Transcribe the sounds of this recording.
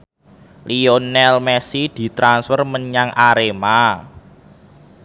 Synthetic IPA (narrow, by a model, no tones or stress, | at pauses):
lionɛlmɛsid̪̥i̤t̪ɾansfərməɲaŋʔaɾema